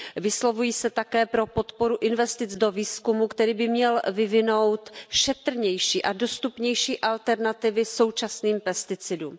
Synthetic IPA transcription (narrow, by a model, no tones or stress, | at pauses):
vɪslo̞vujiːsɛt̪akɛːpɾo̞po̞t̪po̞ɾuʔɪnvɛst̪ɪt͡sdo̞viːskumukt̪ɛɾiːbɪmɲɛlvɪvɪno̞wt̪ʃɛt̪r̩ɲɛjʃiːʔado̞st̪upɲɛjʃiːʔalt̪ɛɾnat̪ɪvɪso̞wt͡ʃasniːmpɛst̪ɪt͡sɪdum